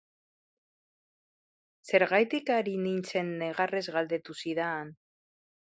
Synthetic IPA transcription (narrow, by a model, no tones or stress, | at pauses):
se̞ɾɣ̞ajt̪ikaɾinint͡senːeɣare̞zɣald̪e̞t̪usiðaːn